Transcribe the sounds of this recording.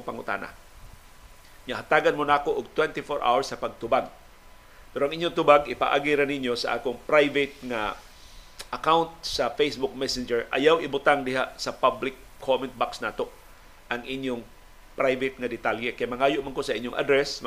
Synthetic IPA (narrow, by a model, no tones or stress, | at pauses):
ŋpɐŋʊ̰t̪a̰ːna̰ | ŋɐɦat̪aːɡanmonaːkoʔʊɡ̚t̪wɛnt̪ɪfoɹʔa̰wɐɹsːɐpɐɡ̚t̪ʊbaɡ̚ | pɛɾoʔɐŋʔiɲːjoŋt̪ʊbaɡɪpa̰ʔa̰ːɡiɾanɪɲjo̞sɐʔa̰ːkoŋpɾajvɪt̪̚ŋa | ʔɐkawnt̪̚sɐfejsbʊk̚mɛsɪnd͡ʒɛɹʔɐ̰jawʔɪbʊt̪aŋd̪ɪɦaʔsɐpablɪkʰːomɛnt̪̚baksnaːt̪o̞ʔ | ʔɐŋʔɪɲjoŋ | pɾajvɪt̪̚ŋɐd̪ɪt̪aljɛkɐjamɐŋaːjoʔmankosɐʔɪɲːjoŋʔa̰d̪ɾɛsm